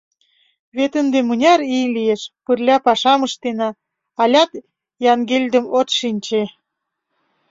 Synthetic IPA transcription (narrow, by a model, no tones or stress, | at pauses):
βet̪ənd̪emunʲɑɾilijeʃpərlʲɑpɑʃɑməʃt̪enɑ | ɑlʲɑt̪ | jɑŋɡelʲd̪ə̆mot̪ʃinʲt͡ɕe